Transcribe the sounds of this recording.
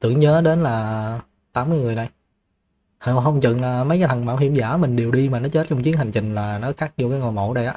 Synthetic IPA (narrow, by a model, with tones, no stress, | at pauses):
t̪ɨ̰˧˩əŋɲəː˨˦ɗe˨˦nlaː˨˩ | t̪aː˨˦mːɨ˧əjŋɨ˨˩əjna˨˩j | hə˧ɦə˧wŋ͡mt͡ɕɨ̰˧˨ŋlaː˨˩mə˨˦jkːaː˨˦t̪ʰə˨˩ŋmaː˧˩wɦḭ˧˩əmza̰ː˧˩˦mï˨˩ŋ̟ɗe˨˩wɗi˧maː˨˩nɔ˨˦t͡ɕe˦˥t̚t͡ɕɔ˧wŋ͡mt͡ɕi˨˦əŋhɦa˨˩jŋ̟t͡ɕï˨˩ŋ̟laː˨˩nɔ˨˦xaː˦˥t̚zo˧kaː˨˦jŋo˨˩jmo̰˧˩ɗə˧jʔaː˨˧˦